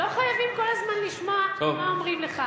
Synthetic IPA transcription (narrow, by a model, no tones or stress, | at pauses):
oχajavimko̞lazmanliʃmaomaomʁimleχa